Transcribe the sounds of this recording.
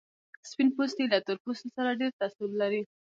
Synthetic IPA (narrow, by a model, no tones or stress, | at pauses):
spinpost̪ilat̪əɾpust̪saɾaɖeɾt̪asillaɾi